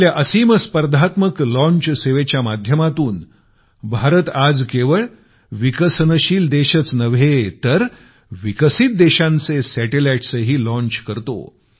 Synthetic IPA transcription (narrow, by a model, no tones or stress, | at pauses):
ljaʔəsiːməspəɾd̪ʱat̪məklɔ̃ɲt͡ɕseʋet͡ɕjamad̪ʱjəmat̪uːn | bʱaɾət̪ad͡zkeʋəɭ | ʋikəsənəɕiːld̪eɕət͡snəʋ̤et̪əɾ | ʋikəsit̪̚d̪eɕãnt͡sesæʈelajʈsəɦiːlɔ̃ɲt͡ɕkəɾt̪o̰